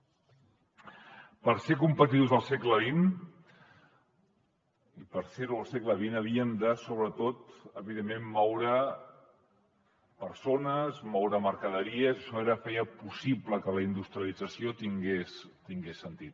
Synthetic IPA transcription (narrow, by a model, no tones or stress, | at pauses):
pəɾsekumpət̪iðuzəlˠsekləβin | ipəɾseɾulˠsekləβinəβ̞iəmd̪əsoβ̞ɾət̪ot̪əβiðemːemːɔwɾə | pəɾsonəzmɔwɾəməɾkəðəɾiəzəʃɔeɾəfɛjəpusipləkələind̪ust̪ɾiəlid͡zəsiot̪iŋɡes | t̪iŋɡesːənt̪it̪̚